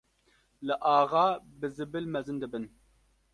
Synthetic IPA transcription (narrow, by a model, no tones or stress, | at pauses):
lɨʔaːʁɑːbɨzɨbɨlmɛzɨnd̪ɨbɨn